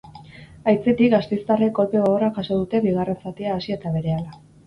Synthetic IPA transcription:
ajt͡set̪ikɡast̪e̞jst̪areko̞lpeɣoɣorakaso̞ð̞ut̪e̞βiɣ̞are̞nsat̪iaːsie̞t̪aβe̞ɾe̞ala

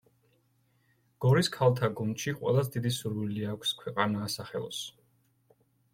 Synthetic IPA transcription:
ɡ̥ɔɾiskʰalˠt̪ʰaɡunʃiqʼwɛ̰lˠasd̪id̪isuɾwiliakʰʷskʰwɛqʼanaːsaχɛ̰lˠɔ̰s

